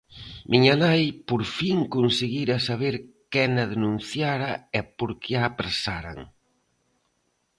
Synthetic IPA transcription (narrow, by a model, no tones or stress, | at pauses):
mʔiɲɐmajpoɾfiŋkonseɣiɾɐsaβeɾkɛnɐðenũn̟θjaɾɐɛpoɾkʰeaːpɾesaɾa̰ŋ